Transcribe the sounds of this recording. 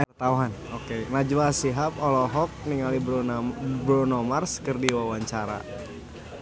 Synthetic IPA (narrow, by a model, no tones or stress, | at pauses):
t̪awɦan | okenad͡ʒulasiɦapɔlɔɦɔk̚niŋalib | bɾonɔmarskərdiwawaɲt͡ʃaɾa̰